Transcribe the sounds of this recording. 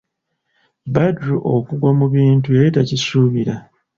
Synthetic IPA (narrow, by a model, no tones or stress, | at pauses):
badɾuʔokuɡwamuβiːntue̞ɾitacisuːβiɾa